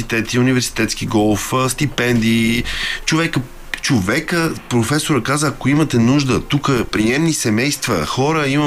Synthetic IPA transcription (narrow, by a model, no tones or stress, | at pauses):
it̪ɛt̪iunivɛɾsi̥t̪ɛt̪sk̟iɡɔlˠfst̪ipɛnd̪it͡ʃovɛkə | t͡ʃovɛkəpɾofɛsoɾəkazəːkoimət̪ɛnuʒd̪ət̪ukəpɾijɛmnisɛmɛjst̪və̰xɔɾəimə